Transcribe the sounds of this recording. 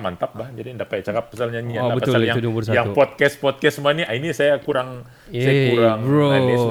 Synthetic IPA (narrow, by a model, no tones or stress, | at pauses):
mant̪ap̚bahd͡ʒadindaʔpajat͡ʃakap̚ːasalɲaɲiaaəpaajaŋudubursajaŋupɔt̪̚kɛspɔt̪̚kɛsəmuaniʔainisajakuɾaŋ | sajakuɾaŋboa